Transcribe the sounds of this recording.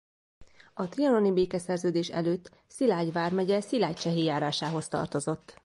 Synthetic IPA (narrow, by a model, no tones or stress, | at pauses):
ɒt̪rijɒno̞nibeːkɛsɛrzøːd̪eːʃɛ̰løːt̪ː | silaːɟʋaːrmɛɟɛsilaːc̚t͡ʃɛɦeːjaːɾaːʃaːɦo̞st̪ɒ̰rt̪o̞zo̞t̪ː